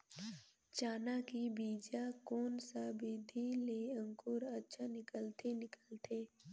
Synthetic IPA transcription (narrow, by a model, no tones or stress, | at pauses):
t͡ʃaːnakibiːd͡ʒakoːnsabeːd̪ʱileə̃ŋkʊɾətːʃʰanɪkəlt̪ʰenɪkəlt̪ʰeː